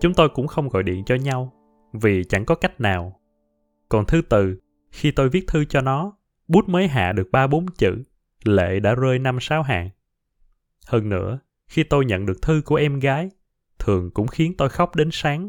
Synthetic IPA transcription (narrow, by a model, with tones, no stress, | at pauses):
t͡ɕʊ˨˦ŋ͡mt̪o˧jkʊ̰˧˥ŋ͡mxə˧wŋ͡mɣɔ̰˧˨jɗḭ˧˨ənt͡ɕɔ˧ɲa˧w | vi˨˩t͡ɕa̰˧˩ŋkɔ˨˦ka˦˥jk̟̚naː˨˩w | kɔ˨˩nt̪ʰɨ˧t̪ɨ˨˩ | xi˧t̪o˧jvi˦˥ət̚t̪ʰɨ˧t͡ɕɔ˧nɔ˨˦ | ɓu˦˥t̚məː˨˦jɦa̰ː˧˨ɗɨ˨˩ək̚ɓaː˧ɓo˨˦nt͡ɕɨ̰˧˨ | lḛ˧˨ɗa̰ː˧˥zəː˧jna˧msaː˨˦wɦa̰ː˧˨ŋ | həː˧nːɨ̰˧˥ə | xi˧t̪o˧jɲə̰˧˨nɗɨ˨˩ək̚t̪ʰɨ˧ku˧˩əʔɛ˧mɣaː˨˦j | t̪ʰɨ˨˩əŋkʊ̰˧˥ŋ͡mxi˨˦ənt̪o˧jxa˦˥wk͡p̚ɗe˨˦nsaː˨˦ŋ